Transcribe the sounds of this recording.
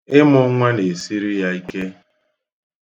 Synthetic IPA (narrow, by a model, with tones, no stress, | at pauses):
ɪ˦mʊ˦ŋʷa˦ne˨si˦ɾi˦ja˦i˦ke˦